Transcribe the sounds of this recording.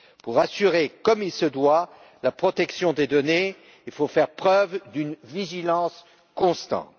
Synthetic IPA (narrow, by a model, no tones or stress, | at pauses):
puʁasyʁekɔmilsəd̪wa | lapχɔt̪ɛksjɔ̃d̪ed̪ɔne | ilfofɛʁpχœvd̪ynviʒilɑ̃s | kɔ̃st̪ɑ̰̃t̪